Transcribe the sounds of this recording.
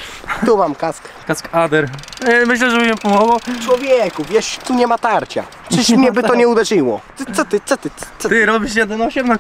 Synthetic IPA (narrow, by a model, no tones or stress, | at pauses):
t̪umamkask | kaskad̪ɛɾmɘɕlɛʐɛbɘmʲimpɔmɔɡwɔt͡ʂwɔvʲjɛkuvʲjɛʂt̪uɲɛmat̪aɾt͡ɕa̰ | t͡ʂɘɕmɲɛbɘɔɲɛud̪ɛʐɨwɔt̪sɔt̪ɘt̪sɔt̪ɘst̪ɪɾɔbʲiʃjɛd̪ɛnɔɕɛmna